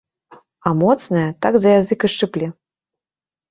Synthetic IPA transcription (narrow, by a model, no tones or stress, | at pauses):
amɔt̪snɐjɐt̪aɡzɐjazɨkɨʂɨplʲi